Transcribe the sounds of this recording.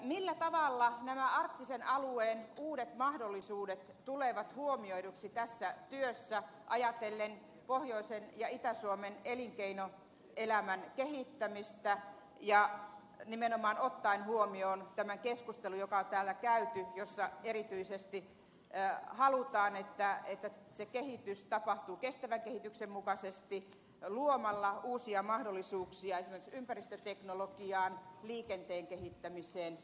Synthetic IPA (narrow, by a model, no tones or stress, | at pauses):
milːæt̪ɑʋɑlːɑnæmæɑrt̪ːisenɑlueːnuːɾet̪mɑhdolːisuːdet̪t̪uleʋɑt̪huomioiduksit̪æsːæt̪yøsːæ | ʔɑjɑt̪elːen | pohjoisenjɑit̪æsuomeneliŋkeino | elæmænkehit̪ːæmist̪æ | jɑ | nimenomɑːnot̪ːɑinhuomioːnt̪æmæŋkeskust̪elujokɑot̪æːlːækæyt̪yjosːɑerit̪yisest̪i | hɑlut̪ɑːnet̪ːæet̪ːæ | sekehit̪yst̪ɑpɑht̪uːkest̪æʋæŋkehit̪yksemmukɑsest̪i | luomɑlːɑuːsiɑmɑhdolːˑisuːksiɑesimerksympærist̪øt̪eknolokiɑːnliːkent̪eːŋkehit̪ːæmiseːn